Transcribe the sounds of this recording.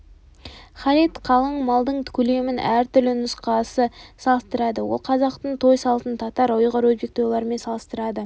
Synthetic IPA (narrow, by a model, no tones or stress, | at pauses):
χɑɾit̪qʰɑlˠəɴmɑlˠd̪əɴt̪ʰkʲʰɵle̞mɪnʔæɾt̪ʰʏɾlɪnʊsqɑsəsɑlˠəst̪əɾɑd̪əwo̞̰lˠqʰɑzɑqt̪əɴt̪ʰo̞jsɑlˠət̪ənt̪ʰɑt̪ɑɾojʁɑɾwɵzbek̚t̪ojlˠɑɾme̞nsɑlˠəst̪əɾɑd̪ə